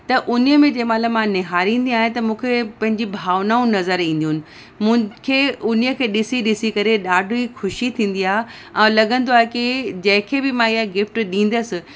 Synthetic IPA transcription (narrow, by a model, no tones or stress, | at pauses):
t̪ɐʔʊnijəmẽd͡ʑɐɦɪ̃matləbmãnɪɦaːɾĩːn̆d̪iaːɦɪnɪt̪ɐmũːkʰepɐ̃ɦɪ̃ɲd͡ʑibʱaːʋnaːũnɐzəɾĩːnd̪iʊnɪ̆ | mũːɪ̃kʰeːʊnijəkʰeːɗɪsiɗɪsikɐɾeɗaːɖʱixʊʃit̪ʰĩːn̆d̪iaːɦe | ɛ̃ːlɐɠə̃n̆d̪oaːɦekid͡ʑɐ̃ɦɪ̃kʰebɪmãɪɦaɡɪfʈɗĩːn̆d̪əsɪ̆